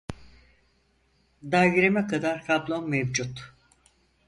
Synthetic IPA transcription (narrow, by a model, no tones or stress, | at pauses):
d̪aɡiɾemɛkʰad̪aɾkʰablˠonmɛvd͡ʒut̪